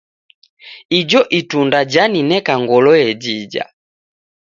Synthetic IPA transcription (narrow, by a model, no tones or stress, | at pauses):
id͡ʒɔʔitundad͡ʒaninɛkaŋɡɔlɔjɛd͡ʒid͡ʒa̰